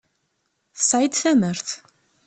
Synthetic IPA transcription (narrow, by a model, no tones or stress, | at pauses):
sajd̪θæməɾθ